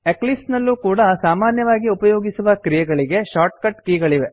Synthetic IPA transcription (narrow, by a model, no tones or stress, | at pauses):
eklisnɐlːukuːɽɐsaːmaːnjɐʋaːɡiupɐjoːɡisuʋɐkɾijɛɡɐɭiɡe̞ʃaːʈ̚kɐʈkiːɡɐɭiʋe